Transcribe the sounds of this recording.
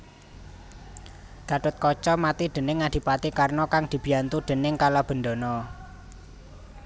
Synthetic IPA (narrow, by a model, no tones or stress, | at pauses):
d̪̥a̤ʈʊt̪̚kɔt͡ʃɔmat̪id̪̥ə̤nɪŋːad̪̥i̤pat̪ikarnɔkaŋd̪̥i̤b̥i̤jant̪uɖ̪̥ə̤nɪŋkalab̥ə̤nɖ̪o̤nɔ